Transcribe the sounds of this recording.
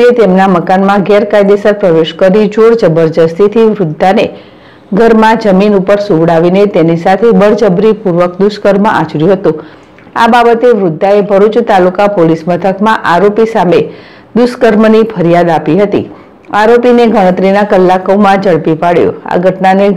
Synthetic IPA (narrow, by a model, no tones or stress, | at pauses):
et̪emnaməkanmãɡɛɾkajd̪esəɾpɾəʋeʃkəɾid͡ʒoɾd͡ʒəbəɾd̪əst̪ʰit̪ʰiʋɾʊd̪ʱːane | ɡʱəɾmãd͡ʒəminupəɾsũʋɽaʋinet̪enisat̪ʰebəɾd͡ʒəbɾipuɾʋəkd̪uskəɾməa̰t͡ʃɾjũɦət̪ũ | a̰babət̪eʋɾʊd̪ʱːaebʱəɾut͡ʃt̪alukapolismət̪ʰəkmãʔaɾopisame | d̪uskəɾmənipʰəɾijad̪apiɦət̪ḭ | aɾopineɡʱəɽ̃ə̃t̪ɾinakəlːakomãd͡ʒəɭpipaɽjṵ̃a̰ɡʱəʈnane